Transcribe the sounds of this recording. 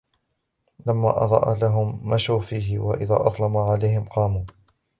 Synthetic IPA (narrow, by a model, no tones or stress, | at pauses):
lamːa̰ːʔɑd̪ˤɑ̰ːʔalaɦʊmːaʃuːfiːɦɪwaʔɪða̰ːʔɑðˤlɑmaʕalajhɪmqɑːmuː